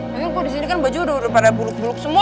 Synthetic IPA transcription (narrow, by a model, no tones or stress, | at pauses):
akɪnkudisinikanbad͡ʒudodapadabulʊk̚bulʊk̚səmu